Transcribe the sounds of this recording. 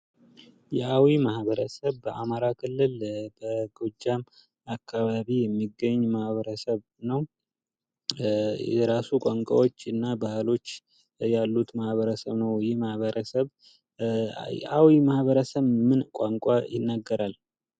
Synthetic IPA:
jɛʔawimahβəɾəsəβbəʔamaɾakʰɨlːɨlbəɡod͡ʒːam | akːaβaβijɛmːiɡəɲːmahβəɾəsəβ | nəw | ɛɾasukʷʼaŋkʷʼa̰wo̞t͡ʃːɨnːabahlo̞t͡ʃː | jalːut̪mahβəɾəsəβnəwjɪhmahβəɾʔəsəβ | jɛ̰ʔawimahβəɾəsəβmɨnkʷʼaŋkʷʼajɪnːaɡːəɾal

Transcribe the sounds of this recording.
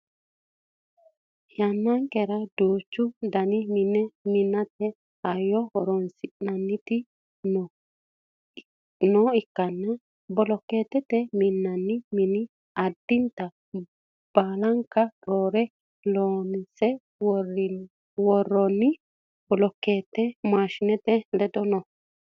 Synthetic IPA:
janːaŋkɛɾad̪oːt͡ʃːud̪ɐniminɛmɪnːat̪ɛ | ajːɔhɔɾɔnsɪʔnanːɪt̪ɪ | n | nɔɪkːɐnːa | bɔlɔkːet̪ɛt̪ɛmɪnːɐnːɪmɪnɪ | ɐd̪ːɪnt̪ɐ | b̥aːlɐŋkːɐɾoːɾɛ | loːnsɛ | w | wɔrːɔnːɪ | bɔlɔkːeːt̪ːɛmaːʃɪnɛt̪ɛlɛd̪ɔnɔ

